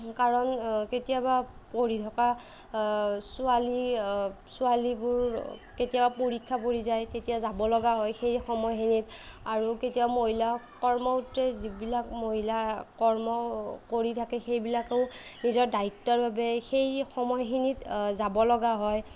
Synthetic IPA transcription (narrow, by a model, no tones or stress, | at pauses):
kaɹɔnketijaba | poɹitʰɔka | sʊali | sʊalibʊɹketijabapoɹikʰːapoɹizajtetijazabɔlɔɡaɦɔjxejxɔmɔjxinitaɹuketijamoɦilakɔɹmɔutɛzibilak̚moɦilakɔɹmɔkoɹitʰakɛxejbilakoʊnizɔɹdaik̚tːɔɹbabɛxejxɔmɔjxinitzabɔlɔɡaɦɔj